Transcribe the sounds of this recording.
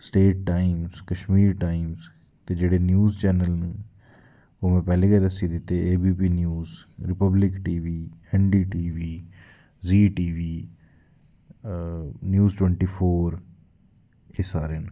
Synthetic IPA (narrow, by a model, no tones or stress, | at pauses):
sʈeːʈ̚ʈaːimzkəʃmiːɾʈaːɪimz | t̪eːd͡ʒeːɽeːnjuːzt͡ʃɛːnəlne | oːmɛ̃ːpɛːlẽːɡɛːd̪əsiːd̪ɪt̪ːeːeːbiːp̬iːnjuːzɾɪpəblɪkʈiːʋiːɛnɖiːʈiːʋiː | ziːʈiːʋiː | njuːzʈwɛ̃ɳʈiːpʰoːɾ | esaːɾeːn